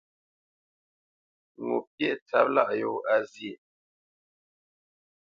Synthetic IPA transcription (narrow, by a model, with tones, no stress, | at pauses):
ŋo̰˨pjɛ˦˨ʔt͡sa˨˦p̚la˦˨ʔjo˦˨a˦zje˨